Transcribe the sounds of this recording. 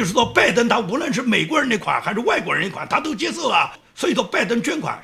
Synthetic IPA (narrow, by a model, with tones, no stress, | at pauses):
ʊʂ̩ɻ̩˥˩t͡swɔ˥˩pa˥˩ɪt̪ə˥nt̪ʰa˥u˧˥lwə˥˧nʂ̬ɻ̩˥˩me˨˩ɪkwɔ˧˥ɻə˧nd̪i˧˥kʰwa̰˨˩nxɪʂɻ̩˥˧wa˥˩ɪkwɔ˧˥ɻə˧n˧kʰa̰˨˦nt̪ʰa˥t̪o˥ʊt͡ɕjɛ˥sɔ˥˩lə˩ | swɔ˧˥i˨˩t͡swɔ˥˧pa˥˩ɪt̪̬ə˥ŋt͡ɕɥɛ˥nkʰwa̰˨˩˦n